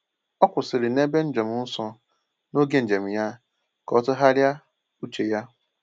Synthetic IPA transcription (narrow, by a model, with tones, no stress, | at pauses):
ɔ˦kʷʊ˨sɪ˨ɾɪ˨ne˦be˦n̩˦d͡ʒo˨mʊ˨˦n̩˦sɔ˦ | no˦ɡe˦n̩˨d͡ʒe˨m̩˨ja˦ | kɔ˦tʊ˦ɦa˦ɾja˦ | u˦t͡ʃe˨ja˦